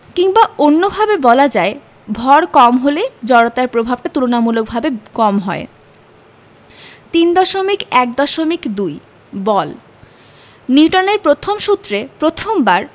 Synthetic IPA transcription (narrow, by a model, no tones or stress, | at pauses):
kiŋbaonːobʱabebɔlad͡ʑae | bʱɔɾkɔmɦoled͡ʑɔɽot̪aɾpɾobʱab̚ʈat̪ulonamulok̚bʱabekɔmɦɔe | t̪ind̪ɔʃomikɛk̚d̪ɔʃomikd̪uj | bɔl | niwʈaneɾpɾot̪ʰomʃut̪ːɾepɾot̪ʰombaɾ